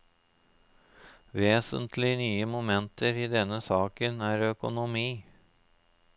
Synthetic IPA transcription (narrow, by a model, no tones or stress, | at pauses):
ʋeːsə̰nt̪ʰlɪnyːəmʊmɛnt̪ʰəɾiːd̪ɛnːəsɑːkənæːɾœkʊnʊmiː